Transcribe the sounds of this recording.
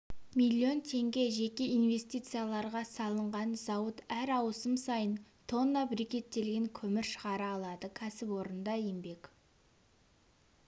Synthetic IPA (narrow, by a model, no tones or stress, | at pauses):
mʲijlʲːio̞nt̪ʰe̞ŋɡʲe̞ʒe̞kʲe̞inve̞st̪ijt̪sɨjalˠɑɾʁɑsɑlˠəɴʁɑnzɑwət̪æɾɑwsəmsɑjənt̪ʰo̞nːəbɪɾekʲe̞t̪ːe̞lɡʲeŋkʲʰɵmɪɾʃə̥ʁɑɾəɑlˠɑd̪əkʲʰæsɪpwo̞ɾənd̪ɑembe̞k